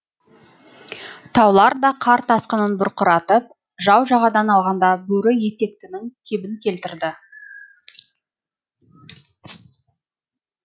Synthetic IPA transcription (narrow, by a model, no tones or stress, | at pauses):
t̪ʰɑwlˠɑɾd̪ɑqʰɑɾt̪ʰɑsqənənbʊɾqʊɾɑt̪əp̚ | ʒɑwʒɑʁɑd̪ɑnɑlˠʁɑnd̪ɑbɵɾɪje̞t̪e̞k̚t̪ɪnɪŋkʲʰebɪŋkʲʰe̞lt̪ɪɾd̪ɪ